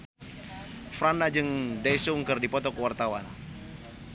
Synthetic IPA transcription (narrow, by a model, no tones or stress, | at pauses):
fɾanad͡ʒɨŋdajsuŋkɨrdipɔt̪ɔkəwart̪awa̰n